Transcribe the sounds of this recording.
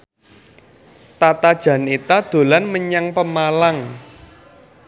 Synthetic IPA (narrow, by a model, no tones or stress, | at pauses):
t̪at̪ad̥ʒ̥ä̤nit̪ad̪̥o̤lanməɲaŋpəmalaŋ